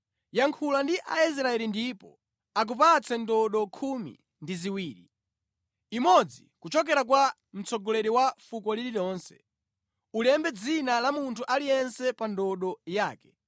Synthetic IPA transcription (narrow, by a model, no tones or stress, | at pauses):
jaŋkʰulandiʔa̰is̬ɾaɛlindiːpɔ̰ | ak̬up̬at͡sɛndɔɗɔkʰumḭ | ndiziwiːɾḭ | imɔd͡zḭkut͡ʃɔk̬ɛɾak̬wa | m̩t͡sɔɡɔlɛɾiwafukɔlililɔːnsɛ̥̰ | ulɛmbɛd͡zinalamuntʰuʔalijɛnsɛpandɔɗɔjaːkɛ̥